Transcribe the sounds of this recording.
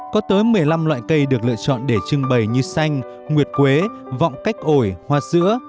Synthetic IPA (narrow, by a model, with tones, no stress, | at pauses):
kɔ˨˦t̪əː˨˦jmɨ˨˩əjla˧mlwa̰ː˧˨jkə˧jɗɨ˨˩ək̚lɨ̰˧˨ət͡ɕɔ̰˧˨nɗe˧˩t͡ɕɨ˧əŋɓə˨˩jɲɨ˧sa˧jŋ̟ | ŋwi˨˩ət̚kwe˨˦ | vɔ̰˧˨wŋ͡mka˦˥jk̟̚ʔo˧˩jhwaː˧˩zɨ̰˧˥ə